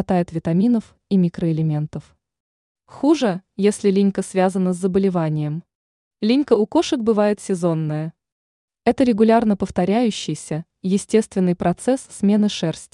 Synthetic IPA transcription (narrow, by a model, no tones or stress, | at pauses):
t̪ajɪt̪vʲɪt̪ɐmʲinəf | imʲikɾəɪlʲɪmʲe̞n̪t̪əf | xuʐəjesʲlʲɪlʲinʲkəsvʲazənəzʲzːəbəlʲɪvanʲɪjəm | lʲinʲkəʊko̞ʂək̚bɨvajɪt̪sʲɪzo̞nːəjə | ɛt̪əɾʲɪɡʊlʲarnəpəft̪ɐɾʲæjʉɕːɪjsʲə | jɪsʲtʲe̞st̪vʲɪnːɨjpɾɐt̪sɛsːmʲe̞nɨʂɛrsʲtʲ